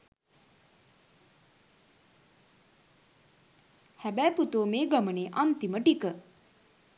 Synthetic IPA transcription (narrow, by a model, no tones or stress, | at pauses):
hæbæːput̪oːmeːɡaməneːʔant̪iməʈikə